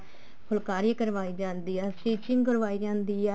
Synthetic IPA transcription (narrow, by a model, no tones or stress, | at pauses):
pʰʊlkaːɾjkəɾʋaːiːd͡ʒãːnd̪iːɛːsiːt͡ʃɪ̃ŋɡkəɾʋaːiːd͡ʒãːnd̪iːɛː